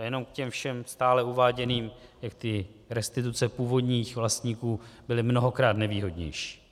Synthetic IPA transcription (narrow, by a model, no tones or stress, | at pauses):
jɛno̞mkcɛmfʃɛmst̪aːlɛuvaːɟɛniːmjak̚t̪ɪɾɛst̪ɪt̪ut͡sɛpuːvo̞dɲiːxvlast̪ɲiːkuːbɪlɪmno̞ɦo̞kɾaːt̪nɛviːɦo̞dɲɛ̰jʃi̥ː